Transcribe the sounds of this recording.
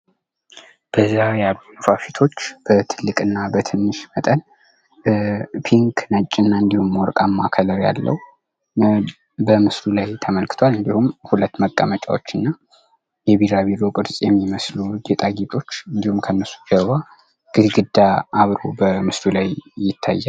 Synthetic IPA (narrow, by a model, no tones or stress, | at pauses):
b̥əzːajalːunɨfafit̪ʰo̞t͡ʃːb̥ət̪ʰɨlːɨkʼɨnːabət̪ʰɨnːɨʃmət̪ʼən | pʰiŋkʰnət͡ʃʼːɪnːaɨnd̪ihumwɔɾkʼamːakʰələɾja̰lːə̰wu | bəmɨslulajt̪ʰəməlkʰɨ̥t̪ʰwalɨnd̪ihumhulət̪ːməkʼːəmət͡ʃʼa̰wot͡ʃːɨnːa | jɛβiɾaβiɾo̞kʼɨɾsʼjɛmːiməslud͡ʒet̪ʼaɡit̪ʼʰo̞t͡ʃːɨnd̪ihumkʰənːəsu̥d͡ʒəβa | ɡ̥ɨd̪ɡɨd̪ːaʔaβɾobəmɨslulajjɪt̪ʰːa̰jːa